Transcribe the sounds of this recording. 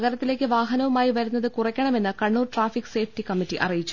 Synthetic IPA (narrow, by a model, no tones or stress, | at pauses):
ɣɐɾɐt̪ːile̞ːkʲːɨʋaːɦɐnɐʋumaːjiʋɐɾunːɐðɨkurɐkʲːɐɳɐme̞nːɨkɐɳːuːrʈraːfikːɨ̥se̞ːfʰʈikɐmːitːiʔɐ̰rijit͡ɕːu